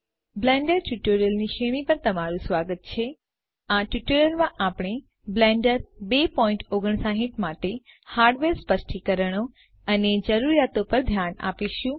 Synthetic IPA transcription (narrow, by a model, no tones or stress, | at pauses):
blɛ̃ɳɖəɾʈuʈoɾəlniʃeɽ̃ipəɾt̪əmaɾũsʋaɡət̪̚t͡ʃʰe | aʈuʈoɾjəlmãʔapɽ̃e | blɛ̃ɳɖəɾbepɔiɳʈoɡəɳ̃saɦiʈmaʈehaɾɖʋeɾspəsʈʰikəɾəɽ̃o | əned͡ʒəɾuɾjat̪opəɾd̪ʱjana̰piʃũ